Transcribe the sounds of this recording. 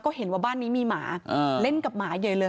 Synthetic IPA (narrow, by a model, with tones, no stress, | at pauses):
kɔː˥˩he˨˩˦nwaː˧˩baː˥˩nːiː˦˥miː˧ma̰ː˩˦ʔə˧le˥˩nka˨˩p̚maː˩˦jɤː˧˩lɤː˧